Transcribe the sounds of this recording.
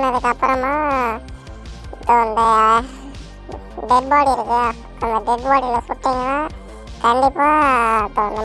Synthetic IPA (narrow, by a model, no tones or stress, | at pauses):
nɐðɯkːɐpːɾɐmaː | ɪpːõːɐnd̪ɐ | ɖɛɖ̚baːɽiɪɾɯkːɯa | ɐnd̪ɐɖɛɖbaːɽilɐsʊʈːɪŋɡɐnaː | kɐɳɖɪpːaːɐpːõnɐ